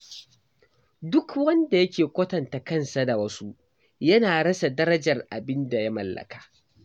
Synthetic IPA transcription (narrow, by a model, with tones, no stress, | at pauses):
dʊ˦kwɐ˦nda˨jɐ˦kʲeː˨kʷɐ˦tɐ˨nta˨kɐ˦˨nsa˨da˨wɐ˦su˦ | jɐ˦naː˨ɽɐ˦sa˨dɐ˦ɾɐ˦d͡ʒɐ˨rʔa˨bɪ˦nda˨ja˦mɐ˨lːɐ̰˨kḁː˨ʔ